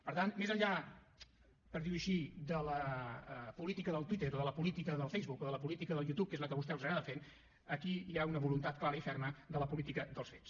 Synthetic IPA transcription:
pəɾt̪anmezəʎːa | pəɾðiwəʃid̪ələ | pulit̪ikəðəlˠt̪wit̪eɾoðələpulit̪ikəðəlˠfejzβukoðələpulit̪ikəðəlˠjut̪up̚kezləkəβust̪ɛwzaɣɾaðəfen | əkiiaunəβulunt̪at̪̚klaɾəifɛɾməd̪ələpulit̪ikəd̪əlˠsfets

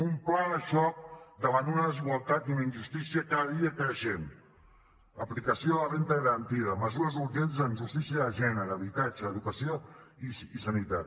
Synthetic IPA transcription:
umplaʃɔk̚d̪əβant̪unəðəziɣwalˠt̪at̪unəinʒust̪isiəkaðəðiəkɾəʃɛm | əplikəsioəβent̪əɣəɾənt̪iðəməzuɾəzuɾʒɛnzənʒust̪isiəðəʒɛnəɾəːβit̪ad͡ʒəːðukəsioiisənit̪at̪

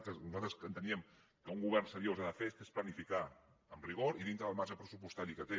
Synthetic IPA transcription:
t̪əsnuzalˠt̪ɾəsənt̪əniəm | kəuŋɡuβɛrnsəɾiozaðəfest̪esplənifika | əmriɣ̞oɾiðint̪ɾəðəlˠmaɾʒəpɾəsupust̪aɾikət̪e

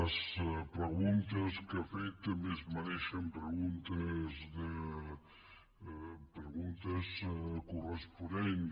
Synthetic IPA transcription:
əspɾəɣunt̪əskafɛt̪mezmanɛʃɐmpɾəɣunt̪əzd̪ə | pɾəɣunt̪əskurəspunɛn

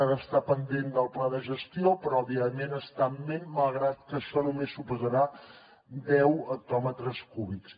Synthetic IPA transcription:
aɾəːst̪apənd̪end̪əlˠplaðəʒəst̪iopɾɔːβiəmenəst̪amemməlˠɣɾat̪̚kəʃɔnumesːupuzəɾa | d̪ɛwək̚t̪ɔmət̪ɾəskuβiks

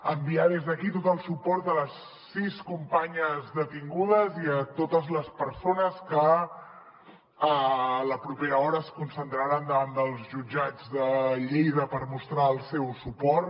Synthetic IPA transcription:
əmbiað̞ezðəkit̪ot̪əlˠsupɔɾt̪ələsː | iskumpaɲəzðət̪iŋɡuð̞əziət̪ot̪əzləspəɾsonəskə | əːləpɾupeɾəɔɾəːskunsənt̪ɾaɾand̪əβand̪əlˠzʒud͡ʒad͡zðəʎejðəpəɾmust̪ɾaəlˠsɛwsupɔɾ

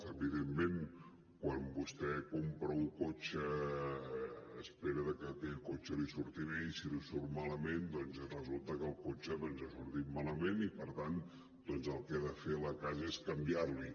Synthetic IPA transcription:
əβiðemːen | kwambust̪ɛkompɾəuŋkot͡ʃə | speɾəðəkəkɛʎkot͡ʃəlisuɾt̪iɾeisilisuɾmaləmend̪ɔnzrəzulˠt̪əkəːlˠkot͡ʃəðɔnzasuɾt̪it̪maləmenipəɾt̪an | d̪̥ɔnzəlˠkɛaðəfeləkazəeskəmbiarli

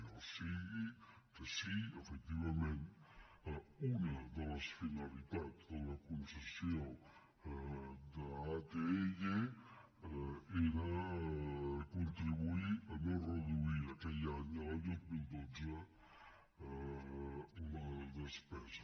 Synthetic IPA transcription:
owsiɣi | kəsiəfək̚t̪iβɐmẽnt̪ | unəd̪ələsfinəlit̪at̪d̪ələkunsəsijo | d̪əat̪eeʒe | eɾə | kunt̪ɾiβuiənorəðuiɾəkɛʎaɲələðut̪̚milˠd̪od͡zə | ləðəspɛzə

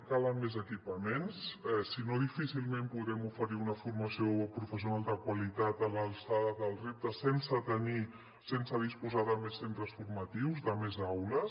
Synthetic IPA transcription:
kaləmːezəkipəmensɛsinoðifisilˠmempuðɾɛmufəɾiunəfurməsiopɾufəs̬iunalˠd̪əkwəlit̪at̪ələlˠsaðəðəlˠrep̚t̪əsensət̪əni | sensəðispuzaðəmesːent̪ɾəsfurmət̪iwzdəmezawləs

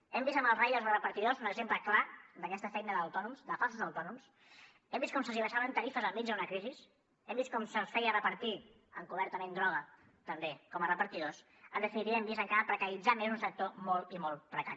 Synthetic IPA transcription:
ɛmbizəməlˠrejəlˠzrəpəɾt̪iðozunəɡzempləklad̪əkɛst̪əfɛjnəðəwt̪ɔnumzd̪əfalˠsəzəwt̪ɔnums | ɛmbistkɔmsəziβəʃaβənt̪əɾifəzəlˠmid͡ʒðunəkɾizis | ɛmbist̪kɔmsəsfɛjərəpəɾt̪i | əŋkuβɛɾt̪əmend̪ɾɔɣ̞ə | t̪əmbekɔmərəpəɾt̪iðos | ənd̪əfinit̪iβɛmbizəŋkaɾəpɾəkəɾid͡zamezunsək̚t̪omɔlˠt̪imɔlˠpɾəkaɾi

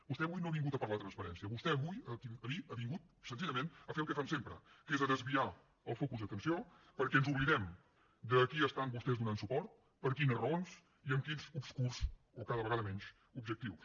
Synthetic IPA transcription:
bust̪ɛəβujnoəβiŋɡut̪əpəɾlaət̪ɾənspəɾɛnsiəβust̪ɛəβujək̪iəðiəβiŋɡut̪̚ | sənziʎəmẽnəfelˠkɛfamsempɾə̰kezəðəzβia | əlˠfokuzðət̪ənsio | pəɾkɛənzuβliðɛm | d̪əkiəst̪ambust̪ɛzd̪unansupɔɾt̪̚ | pəɾkinərəons | iəmkinzubskuɾz | okaðəβəɣaðəmɛɲʃ | ubʒək̚t̪iws

